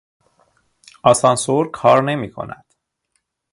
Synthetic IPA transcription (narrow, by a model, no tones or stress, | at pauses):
ɒsɒnsoɾkʰɒːɾne̞miːkʰo̞̰nʔæ̰d̪̥